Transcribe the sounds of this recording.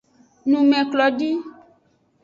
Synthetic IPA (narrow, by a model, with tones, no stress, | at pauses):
nũ˨mɛ̃˨klɔ˨ɖi˦